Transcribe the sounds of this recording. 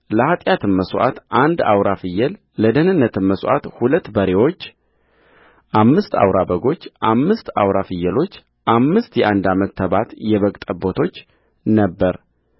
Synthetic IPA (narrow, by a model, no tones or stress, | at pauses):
ləhat̪ʼjat̪ʰɨnməsʔa̰t̪ʔand̪a̰wɾafɨjːɛl | ləd̪əhnɨnːət̪ʰɨnməsʔa̰t̪hulət̪ːbəɾewo̞t͡ʃː | ʔamːɨst̪a̰wɾabəɡo̞t͡ʃːʔamːɨst̪a̰wɾafɨjːɛlo̞t͡ʃː | ʔamːɨst̪jɛʔand̪amət̪ːəβat̪jɛβəkʼt̪ʼəbo̞t̪ʰo̞t͡ʃː | nəbːəɾ